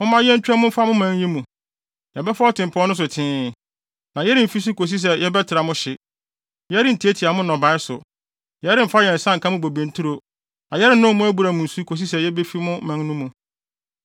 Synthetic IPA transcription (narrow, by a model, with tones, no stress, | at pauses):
ʊ̃˦mã˦jɛ̃˦n̩ᶣ˦a˦mʊ̃˦m̩˦fa˦mʊ̃˦mæ̃˦n˦ji˦mũ˨ | jɛ˨bɛ˦fɔ˦ɔ˦tʰɪ̃˨mpʰɔ˦n˦ʊ̃˦s̬ʊ˨tʰɪ̃ː˦˨ | nã˨jɛ˦ɾɪ˨m̩˨fi˦s̬ʊ˦kʰo˨s̬i˦s̬ɛ˨jɛ˦bɛ˦tʰɪ˨ɾa˨mʊ̃˦ɕɪ˨ | jɛ˦ɾɪ˦n̩˨tʰi˨˦e˦tʰi˨a˨mʊ̃˦nɔ̃˨ba˨ɪ˦sʊ̰˨ | jɛ˦ɾɪ̃˦m̩˨fa˦jɛ̃˨n̩˨sã˦ŋ̩˨kʰã˦mʊ̃˦bo˨bẽ˨n˦tʰu˦ɾo˨ | nã˨jɛ˦ɾɪ˦nʊ̃˦mʊ̃˦æ˦bu˨ɾa˨mʊ̃˨n̩˨su˦kʰo˨s̬i˦s̬ɛ˨jɛ˦be˦fi˦mʊ̃˦mã˦n˦nʊ̃˦mũ˨